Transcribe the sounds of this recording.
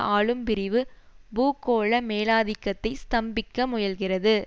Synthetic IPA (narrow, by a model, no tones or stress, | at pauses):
aːɭɯmpɪɾɪʋɯbuːkːoːɭɐmeːlaːðɪkːɐt̪ːɐɪst̪ɐmbɪkːɐmʊjɐlɣɪrɐðɯ